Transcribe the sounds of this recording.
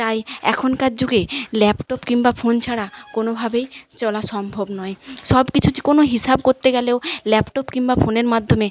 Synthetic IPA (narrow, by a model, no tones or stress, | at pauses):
t̪ajɛ̰kʰonkad͡ʑd͡ʑoɡelɛpʈopkiŋbafʰont͡ɕʰaɽakonobʱabejt͡ɕɔlaʃɔmbʱobnɔeʃɔbkit͡ɕʰuti̥konoɦisabkoɾt̪eɡɛleolɛpʈopkiŋbafʰoneɾmad̪ʱːome